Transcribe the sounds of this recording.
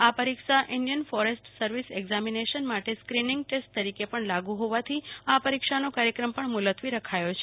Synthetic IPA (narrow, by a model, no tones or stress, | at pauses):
apəɾikʃaʔʔɪɳɖijənfɔɾesʈsəɾʋiseɡzamineʃənmaʈeskɾinɪ̃ŋɡ̚ʈesʈ̚t̪əɾikepəɳlaɡũɦoʋat̪ʰiapəɾikʃanokaɾjəkɾəmpəɳmʊlət̪ʰʋiɾəkʰajot͡ʃʰe